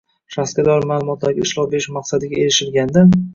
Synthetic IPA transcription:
ʃaskʲad̪ɒɾɪmaːlˠʊmɒt̪ʰlaɾɡʲaɪʃlɒpbeɪʃmaqsad̪ɪɡʲae̞ɾɪʃɪlɡʲand̪an

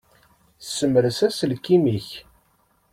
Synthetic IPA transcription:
θsːəməɾəsæsəlkːimiç

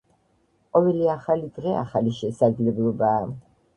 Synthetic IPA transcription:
qʼɔvɛliaχalid̪ʁɛa̰χaliʃɛsad̪zlɛblˠɔbaː

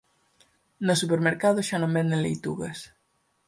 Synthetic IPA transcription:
nosupeɾmeɾkað̞ʊʃanõmbɛnd̪ẽnlejt̪ṵɣɐs

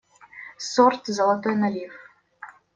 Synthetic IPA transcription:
sort̪zɐlˠɐt̪ojnɐlʲif

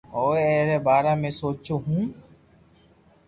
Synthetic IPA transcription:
oːeɛːɾeːbaːɾaːmẽsoːt͡ʃoːɦũː

